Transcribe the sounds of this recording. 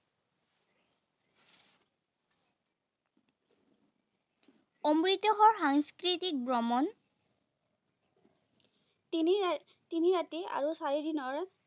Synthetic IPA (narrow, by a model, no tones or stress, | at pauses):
ɔmɹit̪ɔɦɔɹxaŋskɹitik̚bɹɔmɔn | tiniɹatia̰ɹusaɹidinɔɹ